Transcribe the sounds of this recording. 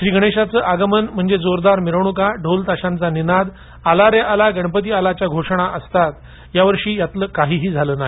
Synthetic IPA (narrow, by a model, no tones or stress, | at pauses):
ɕɾiːɡʱəɽ̃eɕat͡səːʔaɡəmənm̤əɳd͡zed͡zoɾd̪aɾmiɾəʋɳ̃ukaɖʱolt̪aɕãnt͡saninad̪ | alaɾjaʔalaɡəɳpət̪̬ialat͡ɕjaɡʱoʂɳ̃aʔəst̪at̪ | jaʋəɾʂiːjat̪ləːkaɦiːɦiːd͡zʱaləːnaɦe